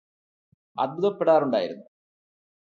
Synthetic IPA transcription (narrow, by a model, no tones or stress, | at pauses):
ɐ̰d̪̚bʱuðɐpːeɽaːɾuɳɖaːjiɾunːu